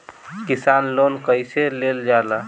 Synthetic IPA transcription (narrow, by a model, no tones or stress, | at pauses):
kisanlonkəjseleld͡ʒala